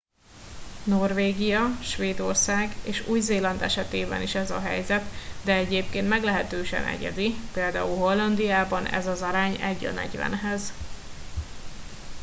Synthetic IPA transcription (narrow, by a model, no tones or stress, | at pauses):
no̞rveːɡijɒʃʋeːd̪o̞rsaːɡeːʃuːjzeːlɒnd̪ɛʃɛt̪eːbɛ̰niʃɛzɒɦɛ̰jzɛt̪d̪ɛɛɟeːpkeːnt̪mɛɡlɛɦɛt̪øːʃɛ̰nɛ̰ɟɛ̰zipeːld̪a̰ːulɦo̞lːɒnd̪ijaːbɒnɛ̰zɒzɒɾaːɲɛɟːø̰nɛ̰ɟvɛ̰nɦɛz